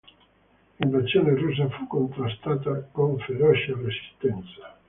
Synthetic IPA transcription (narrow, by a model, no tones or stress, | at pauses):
iɱvasjoːnerus̬afukːont̪ɾast̪aːt̪akoɱfeɾɔt͡ʃaresi̥st̪ɛnt̪sḁ